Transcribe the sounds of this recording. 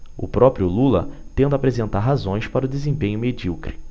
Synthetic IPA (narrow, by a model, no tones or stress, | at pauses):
ʊ̰pɾɔpɾjʊlulɐ̰t̪ẽnd̪ʊapɾezẽnt̪aɾɦazõj̃spaɾʊd̪ezẽmpẽɲʊmed͡ʒiwkɾi